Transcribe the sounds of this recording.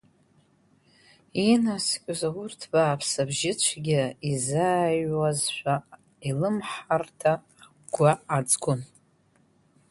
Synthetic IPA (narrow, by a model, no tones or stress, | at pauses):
inaskʲʼʊzawʊrtʰb̥aːpʰsabʒɪt͡ɕʷʰɡʲaizaːjwazʃʷᶣa | ilɨmħartʰa | ɡ̥ʷaːt͡sʼɡʷʼʊn